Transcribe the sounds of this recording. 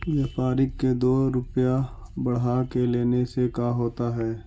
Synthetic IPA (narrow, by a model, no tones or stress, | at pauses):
ʋɐpaːɾɪkːed̪oːɾʊpjabɐɽ̤ɦakeleːnesekaɦoːt̪aɦɛː